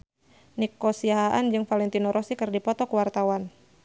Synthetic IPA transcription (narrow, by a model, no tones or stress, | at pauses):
nikɔsiaɦaʔand͡ʒɨŋfalɛnt̪inɔɾʔɔsikɨrdipɔt̪ɔkuwart̪awan